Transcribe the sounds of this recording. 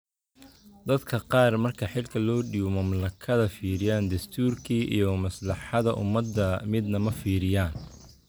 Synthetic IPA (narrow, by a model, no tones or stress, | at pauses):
d̪ɐd̪kʰɐqɑːrmɐrkʰɐħɪlkʰɐlɔːɖiːwɔmɐmlɐkʰɐðɐfiːɾɪjaːnd̪ɐst̪ʰuːrkʰiːʔḭjɔmɐslɑħɑðɐʔʊ̰mɐd̪ːɐmɪd̪nɐmɐfiːɾɪjaːn